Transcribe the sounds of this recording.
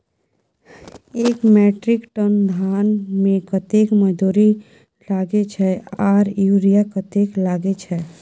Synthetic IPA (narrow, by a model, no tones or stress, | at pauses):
eːkmɛːʈɾɪkʈənd̪ʱaːnmẽkət̪ekməd̪uːɾi | laːɡet͡ʃʰɛaːɾjuɾijakət̪eklaːɡet͡ʃʰɛ